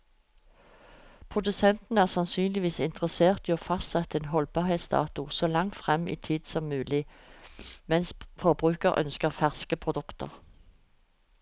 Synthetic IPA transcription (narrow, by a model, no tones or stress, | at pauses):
pʰʁʊd̪ʉsɛnt̪n̩əæːʁsɑnsyːnlɪʋiːsɪnt̪ʁəseːʁt̪iːoːfɑst̪sɛt̪əeːnɦɔlbɑʁhɛɪsd̪ɑ̰ːt̪ʊsɔːlɑŋt̪fʁɛmːḭːt̪ʰiːd̪sɔmːʉːlɪ | mɛnsfɔʁbʁʉːkəʁʔœ̰nskəʁfæʁskəpʰʁʊd̪ʉkt̪ə̰ʁ